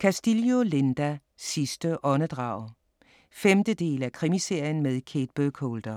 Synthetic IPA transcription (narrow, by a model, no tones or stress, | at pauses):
kʰæsd̥iljo̝le̝nd̥æ | sisd̥əʔɒ̽nəd̥ʁɑ̈ʊ | femd̥əd̥e̝̰ːlækʰʁimise̝ɐ̰jən̩meðˠkʰe̝ːd̥̚b̥økʰoːld̥ɐ